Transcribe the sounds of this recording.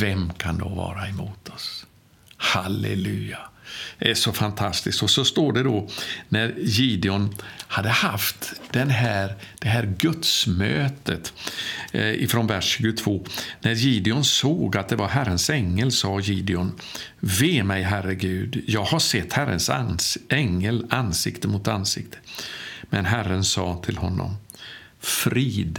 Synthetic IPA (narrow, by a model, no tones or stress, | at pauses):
vɛmkʰand̪ɔ̰vɑ̰ːɾaɛmuːt̪ʰɔs | halɛ̰lʉ̟̰ːad̪ɛæʂɔfant̪ʰast̪ɪskt̪ɔsɔst̪oːɖɛd̪ɔnæɾjiːd̪ɪʊnhad̪ːəhaft̪d̪̥ɛnɦæːɾd̪̥ɛɦæːɾɡɵt̪smøːt̪ət̪ | ɪ̰fɾɔnvæʂːʉːɡʊt̪ʰv̥oːnæɾjiːd̪ɪʊnsoːɡat̪̚d̪ɛvaɾɦæɾənsɛŋːəlsɑːjiːd̪ɪʊn | veːmɛjɦæɾəɡʉ̟ːd̪jɑːɡhasɛt̪ːhæɾə̰nsʔɛŋːəlansɪkt̪əmʊt̪ansɪ̰kt̪ʰə̥mɛnɦærːənsɑːt̪ʰɪlhɔnːɔ̰m | fɾiːd̪